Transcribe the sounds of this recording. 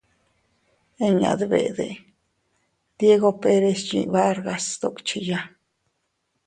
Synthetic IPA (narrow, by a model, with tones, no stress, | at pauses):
e˦ɲa̰˨d̪bḛ˨d̪e˨ | d̪je˦ɡo˦pe˧ɾe˧st͡ʃḭ˨ba˦ɾɡa˧sd̪o˨kt͡ʃi˧ja˧